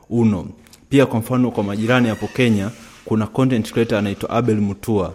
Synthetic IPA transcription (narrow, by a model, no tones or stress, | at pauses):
unɔ | piakwam̩fanɔkwamaʄiɾanihapɔkɛɲakunakɔntɛntkɾɛtaːnaitwa̰ʔaɓɛlmutʰua